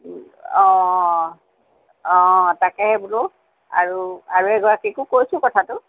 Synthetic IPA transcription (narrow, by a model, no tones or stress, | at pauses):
ɔ̃ | ɔ̃takɛhɛbʊlo | a̰ɹuaɹuɛɡɔɹakikʊkojsʊ̃kɔtʰatʊ